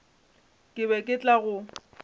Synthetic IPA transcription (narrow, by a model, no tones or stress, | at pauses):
kʼɪbɛkʼɪt͡ɬʼaɣʊ